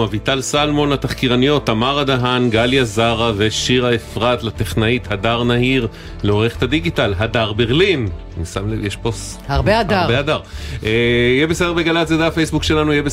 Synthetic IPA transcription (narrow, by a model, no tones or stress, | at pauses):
avit̪alsalmo̞nlat̪aχkiʁanijo̞t̪amaʁad̪aɦanɡaljazaʁaveʃiʁaefʁat̪lat̪eχnaithadaʁnahiʁ | leo̞ʁeχe̥t̪ad̪iɡitalɦadaʁbeʁlin | isamlevjeʃpos | haʁbeadaaʁbeadaʁʔejɛbesedebeɡalatzed̪eafejsbukʃe̞lanujɛbe